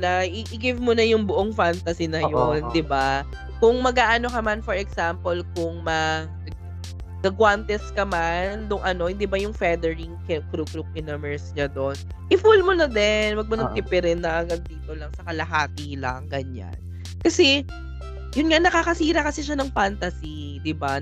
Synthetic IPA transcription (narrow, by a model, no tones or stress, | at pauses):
laʔɪʔɪɡɪvmʊnɐjʊŋbʊʔoŋfant̪ɐsinɐjond̪ɪba | kʊŋmɐɡaːʔɐno̞kɐmanfɔɹɛksampolkʊŋmɐ | ɐɡ̚ | ɡɐɡwant̪ɛskɐmand̪ʊŋʔɐno̞hɪnd̪ibɐjʊŋfɛd̪ɛɹɪŋkkɾukɾuk̚ɪnɐmɛɹsɲad̪o̞n | ʔɪfulmʊnɐd̪ɛnwɐɡ̚mɐnɐɡ̚t̪ɪpɛɾɛnːɐʔɐɡɐd̪̚ːiːt̪o̞lɐŋsɐkɐlɐɦaːt̪ilɐ̰ŋɡɐɲa̰n | kɐsɛ | jʊnŋanɐkaːkɐsiːɾɐkɐsiʃanɐŋfant̪ɐsi | d̪ɪba